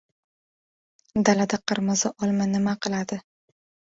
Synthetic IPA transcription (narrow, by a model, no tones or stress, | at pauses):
d̪alad̪aqʰɨɾmɨzaʔɒlˠmanɪmaqɨlˠad̪ɪ